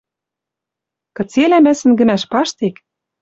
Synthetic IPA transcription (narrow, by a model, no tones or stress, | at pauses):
kɤ̆t͡selæmæsɘ̆nɡɘ̆mæʃpɑʃt̪ek